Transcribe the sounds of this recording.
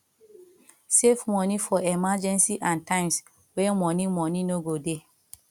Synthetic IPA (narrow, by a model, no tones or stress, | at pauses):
sefmɔ̃nifɔɛmad͡ʒɛ̃nsiʔãntʰãɪ̃ms | wɛmɔ̃nimɔ̃nĩnoɡode